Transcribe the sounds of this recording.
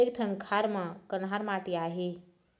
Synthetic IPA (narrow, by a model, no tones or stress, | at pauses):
ek̚ʈʰənkʰaɾmãkənɦaɾmaʈiaɦe